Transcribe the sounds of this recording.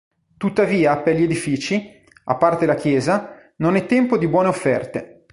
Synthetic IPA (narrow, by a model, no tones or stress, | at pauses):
t̪ut̪ːaviːaperʎːied̪ifiːt͡ʃi | a̰pːart̪elakjɛːza | nonɛt̪ːɛmpod̪ibwɔːneofːɛrt̪e